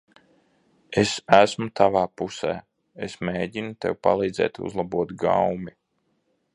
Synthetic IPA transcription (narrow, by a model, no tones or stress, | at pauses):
esæsmut̪avaːpusɛː | esmeːɟinut̪ḛwpa̰lˠiːd̪zɛ̰ːt̪ṵzlˠabuɔt̪ɡa̰wmi